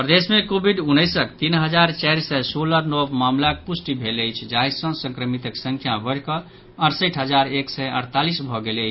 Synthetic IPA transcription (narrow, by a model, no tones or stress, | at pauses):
pɾəd̪esmẽkobʱiɖunːəjsəkt̪inɦəd͡ʒaɾt͡ʃɛjɾsɛsoləɾnɔbmamlak̚pusʈibʱeləjt͡ʃʰd͡ʒajsə̃sə̃ŋkɾəmit̪əksə̃ŋkʰjabəɽkə | əɾsəjʈʰɦəd͡ʒaɾeksɛə̰ɾt̪alisbʱɔɡeləɪt͡ʃʰ